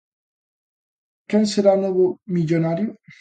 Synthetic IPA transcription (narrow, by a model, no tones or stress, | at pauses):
kenseɾanweβomiʎonaɾjo